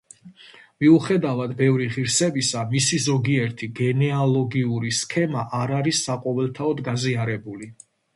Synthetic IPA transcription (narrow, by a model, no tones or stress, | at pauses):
miuχɛd̪avad̪bɛvɾiʁiɾsɛbisamisizɔɡiɛɾt̪ʰiɡɛnɛalˠɔɡiuɾiskʰɛmaʔaɾaɾisːaqʼɔvɛlˠt̪ʰaɔd̪ɡaziaɾɛbuli